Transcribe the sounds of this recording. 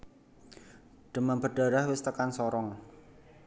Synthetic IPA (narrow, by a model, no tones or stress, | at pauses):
ɖ̥ə̤manbəɖ̥a̤ɾahwɪst̪əkansɔɾɔŋ